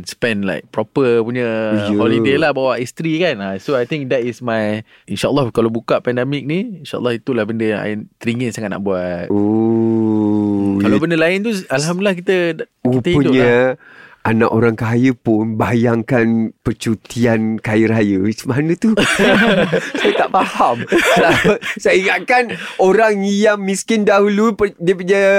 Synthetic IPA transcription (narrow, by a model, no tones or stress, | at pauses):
nspɛ̃nla̰ɪjk̚pɾɔpəpuɲəjholidelahbawaʔist̪ɾikanasoajt̪ĩŋk̚d̪ɛtismaj | inʃaʔəlːɔhkalabukaʔpɛndɛmik̚niinʃaʔə̰lˠːɔhit̪ulahbəndəjla̰ɪnt̪ɾiŋənsaŋat̪̚na̰ʔbuat̪̚o | kalabəndəlaɪnt̪ualɦamdulahkit̪əuit̪əipədʊɲə | ana̰ʔoɾaŋkajəpʊnbajaŋkanpərt͡ʃut̪iankajəɾajəsəmaɦanət̪u | sajət̪aʔfahamslasajəiŋaʔ̪̚kanoɾaŋjaŋmiskɪndaɦulupədiəpəɲə